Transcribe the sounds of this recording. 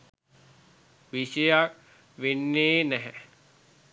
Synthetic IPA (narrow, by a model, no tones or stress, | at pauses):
ʋiʃejak | ʋenːeːnɛɦɛ